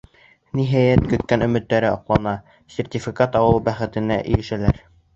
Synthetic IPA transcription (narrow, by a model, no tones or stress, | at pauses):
niɦæjæt̪kɵ̆t̪kænɵ̆mɘ̆t̪ːæɾɘɑqlˠɑnɑ | sʲertʲifʲikat̪ɑwɤlˠbæχɘ̆t̪ɘ̆næ̰ʔɘ̰̆jɘ̆ʃælæɾ